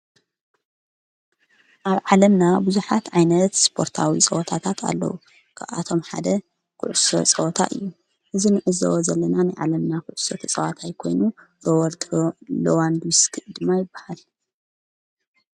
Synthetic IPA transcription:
ʔaβʕalɐmnabuzuħat̪ʕajnɐt̪spʰo̞ɾt̪ʰawit͡sʼɐwɔt̪ʰat̪ʰat̪ʰa̰lːɐ̰wu | kʰaβa̰t̪ʰo̞mħa̰d̪ɐ | kʰʊ̰ʕso̰t͡sʼɐwɔt̪ʰa̰ʔɨ̰jːu | ʔɨzinɨʕɨzɐ̰wzɐlːɐnanajʕalɐmnakʰʊʕʊsot̪ʰɐt͡sʼɐwat̪ʰajkʰo̞̰jnu | lowɾt̪ʰlowand̪uskʰɨʔɨd̪ɨmːajɪbːahal

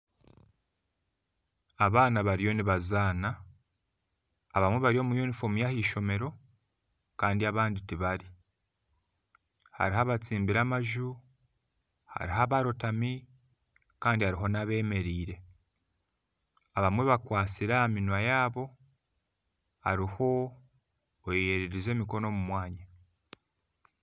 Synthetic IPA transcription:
aβaːnaβaɾijo̞niβazaːna | βamwe̞βaɾijo̞ːmujunifo̞mijahiːʃo̞me̞ɾo̞ | kaːndiaβaːnditiβaɾi | ha̰ɾihaβat͡siːmbiɾamaʒu | ha̰ɾiɦaβaɾotami | kaːndihaɾiɦo̞naβe̞ːme̞ɾiːɾe̞ | aβamwe̞βakwaːt͡siɾaːminwajaːβo̞ | a̰ɾiho̞ | jeɾeɾize̞ːmiko̞no̞ːmumwaːɲa

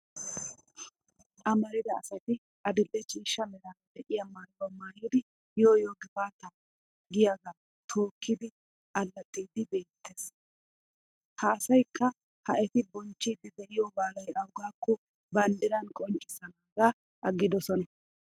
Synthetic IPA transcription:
ʔɐmɐɾɪd̪ɐːsɐt̪ɪ | ʔɐd̪ɪlːɛt͡ʃiːʃːɐmɛɾaːd̪ɛʔɪjamaːjwɐmaːjɪd̪ɪ | joːjoːɡɪbaːt̪ɐ | ɡɪjaɡa | t̪ʰo̞ːkʰːɪd̪ɪ | ʔɐlːɐt̪ʼːiːd̪ɪbe̞ːt̪ːeːs | hɐːsɐjkːɐ | hɐʔɛt̪ɪbɔnt͡ʃːiːd̪ɪd̪ɛʔɪjɔbaːlɐjɐwɡaːkːɔ | bɐnd̪ɪɾɐnkʼɔnt͡ʃʼːɪsɐnaːɡa | ʔɐɡːɪd̪ɔsɔnɐ

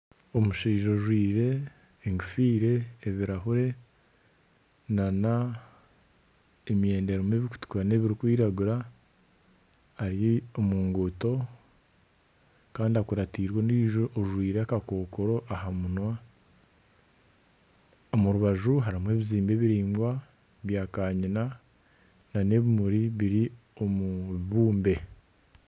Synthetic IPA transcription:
o̞muʃiːʒo̞ʒwiːɾe̞ː | ŋɡufiːɾe̞ːβiɾaɦuɾe̞ | nana | eme̞ːndeɾomweːβiku̥tu̥kwane̞βiɾikwiːɾaɡuɾa | aɾiomuːŋɡuto̞ | kaːndiakuɾatiːɾwoniʒoːʒwiːɾeakako̞ːkoɾo̞ʔaɦamunwa | omuɾuβaʒuɦaɾimwe̞ːβiziːmbe̞βiɾiːŋɡwa | βjaːkaːɲina | nane̞βimuɾiβiɾi | omuβuːmbe̞

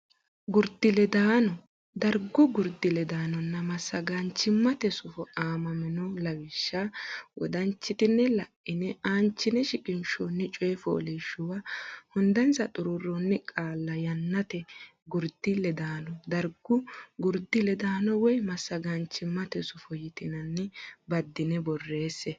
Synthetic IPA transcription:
ɡʊɾd̪ɪlɛd̪aːnɔ | d̪ɐɾɡʊɡʊɾd̪ɪlɛd̪aːnɔnːɐmɐsːɐɡɐnt͡ʃːɪmːɐt̪ɛsʊfɔaːmɐmɛnɔlɐwɪʃːawɔ̰d̪ɐnt͡ʃːɪt̪ɪnːɛlɐʔːɪnɛaːnt͡ʃːɪnɛʃɪkʼɪnʃɔnːɪt͡ʃʼɔjɛfɔ̰ːlɛʃːʊwahʊnd̪ɐnsɐt̪ʼʊɾʊrːɔnːɪkʼaːlːɐjɐnːɐt̪ɛ | ɡʊɾd̪ɪlɛd̪aːnɔd̪ɐɾɡʊɡʊɾd̪ːɪlɛd̪aːnɔwɔjmɐsːɐɡɐnt͡ʃːɪmːɐt̪ɛsʊfɔjɪt̪ɪnɐnːɪbɐd̪ːɪnɛbɔrːe̞ːsːɛ

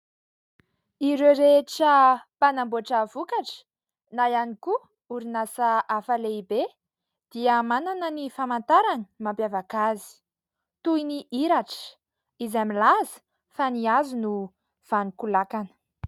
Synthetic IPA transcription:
iɾeɾeʈ͡ʂəpanamboaʈ͡ʂəvukaʈ͡ʂə̥ | najaniku | uɾinasaʔafaleibe | d̪̥iəmananənifamant̪aɾani̥mampjavakazi̥ | t̪uiniʔiɾaʈ͡ʂə̥ | izamilazə̥ | faniazunu | v̥anikulakanə̥

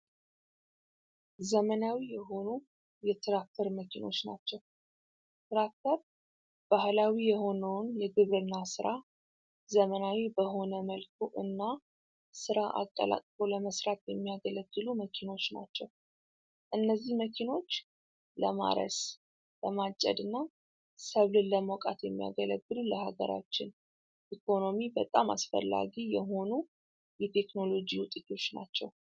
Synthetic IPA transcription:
zəmənawijɛɦo̞nu | jɛt̪ʰɨɾak̚t̪ʰəɾməkʰino̞̰t͡ʃːna̰t͡ʃːɛw | t̪ʰɨɾak̚t̪ʰəɾ | b̥ahlawijɛho̞nəwnjɛɡɨβɾɨnːasɨɾʔa | zəmənawibəɦo̞nəməlkʰuʔɨnːa | sɨɾaʔa̰t̪ʼːə̰la̰kʼfo̞ləməsɾat̪jɛmːijaɡələɡːɨluməkʰino̞t͡ʃːna̰t͡ʃːɛw | ʔɨnːəzːihməkʰino̞t͡ʃː | ləma̰ɾə̰s | ləmat͡ʃʼːɛ̰d̪ɨnːa | səβlɨlːəmokʼat̪jɛmːija̰ɡələɡːɨluləhaɡəɾa̰t͡ʃːɪn | ʔikʰo̞no̞mibət̪ʼama̰sfə̰lːa̰ɡijɛɦo̞nu | jɛt̪ʰe̞kno̞lo̞d͡ʒiwʊt̪ʼit̪ʰo̞t͡ʃːna̰t͡ʃːɛw

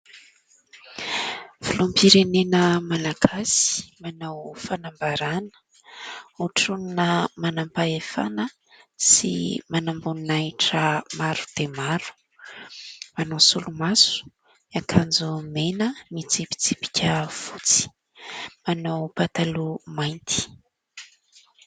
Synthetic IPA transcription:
v̥ulumpiɾenenəmalaɡasi̥manawfanambaɾanə̥ | uʈ͡ʂuninəmanampaefa̰nə | sḭmanambuninaiʈ͡ʂəmaɾu̥d̪̥emaɾu̥ | manawsulumasu̥ | akʰand͡zumenəmit͡sipi̥t͡sipi̥kʲʰəfut͡si̥ | manawpat̪alumajnt̪ʰi̥

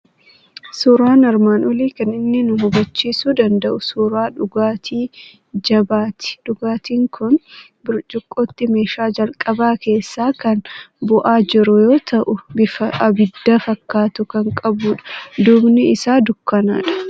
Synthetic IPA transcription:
suːɾaːnɐɾmaːnɔliːkɐnɪnːɪnʊɦʊbɐt͡ʃːiːsuːd̪ɐnd̪ɐʔʊsuːɾaːᶑʊɡaːt̪ʰiː | d͡ʒɐbaːt̪ɪ̥ᶑʊɡaːt̪iːŋkʰʊn | bʊɾd͡ʒʼʊkʼːoːt̪ːɪme̞ːʃaːd͡ʒɐlkʼɐbaːke̞ːsːaːkɐnbʊʔaːd͡ʒɪɾʊjo̞ːt̪ɐʔʊbɪfɐɐbɪd̪ːɐfɐkːaːt̪ʊkɐŋkʼɐbuːᶑɐ̥d̪ubnɪɪsaːd̪ʊkːɐna̰ːᶑɐ̥

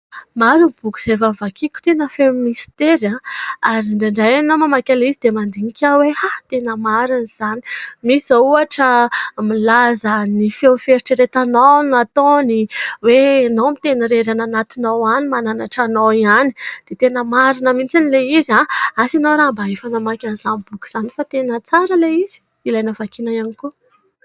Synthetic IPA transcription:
maɾunb̥uku̥z̥evamvakʰikʲu̥t̪enəfemmist̪eɾãaɾiɳɖ͡ʐeɳɖ͡ʐajanomamakʲalizid̪emand̪iŋikʲʰawehat̪enəmaɾiniz̥ani̥misizauaʈ͡ʂəmilazənifewfeɾiʈ͡ʂiɾet̪anonat̪oniwenomit̪eniɾeɾananat̪inowanimananaʈ͡ʂanoiani̥d̪̥et̪enəmaɾinəmint͡sinileizãasinoɾaːmbaɦefanamakʲaniz̥anibuku̥z̥anifat̪enət͡saɾəleiz̥i̥ | ilajnəvakinajaniku

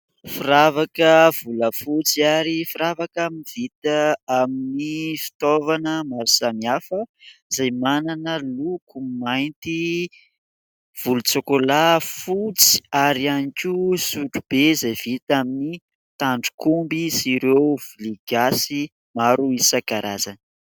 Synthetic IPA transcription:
fiɾavakəv̥uləfut͡siaɾifiɾavakaminivit̪aaminifi̥t̪ovanəmaɾusamiafəizajmananəlukumajnt̪i | v̥ulut͡sokolafut͡si̥aɾianikʲusuʈ͡ʂub̥ezajv̥it̪amini | t̪aɳɖ͡ʐu̥kumbisiɾewviliɡ̥asi | maɾuisakaɾa̰zanə

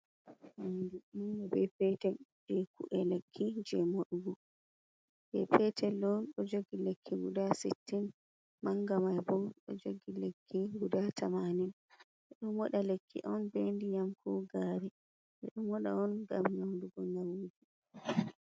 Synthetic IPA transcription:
ʔandɛindɛbɛpɛtɛd͡ʒɛkṵʔɛlekʰːid͡ʒɛmoɗɡu | d͡ʒɛ̰pɛtʰɛlːɔnɗɔd͡ʒoɡilekʰːiɡudasitːin | maŋɡamajbɔɗɔ̰d͡ʒoɡilekʰːiɡudatʰamanin | ʔɛɗɔmɔɗalekʰːḭʔɔnbendijamkʰɔɡaɾɛ | ʔɛɗɔmɔɗa̰ɔnɡamɲawnduɡɔɲawuːd͡ʒi

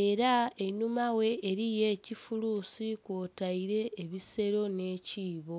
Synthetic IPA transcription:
e̞ɾaenumawe̞ʔːɾije̞ːcifulusikotaiɾe̞ːβise̞ɾo̞ne̞ːciːβo̞

